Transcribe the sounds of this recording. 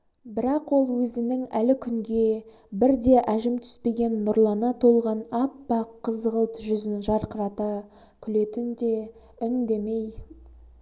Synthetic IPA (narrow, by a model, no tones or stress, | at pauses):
bɪɾɑqwo̞lˠwɵzɪnɪŋælɪkʲʰʏŋɡʲe̞bɪɾd̪e̞ʔæʒɪmt̪ʰʏ̥spe̞ɡʲe̞nːʊɾlˠɑnɑt̪ʰo̞lˠʁɑnɑpːɑqʰːəzʁəlˠt̪ʒʏzɪnʒɑɾqəɾɑt̪ɑ | kʲʰʏlet̪ɪnd̪e̞ | ʏnd̪e̞me̞j